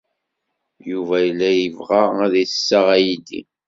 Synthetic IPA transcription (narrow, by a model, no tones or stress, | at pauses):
juvæjəlːæjəvʁaæðiθə̥sːaʁæjid̪ḭ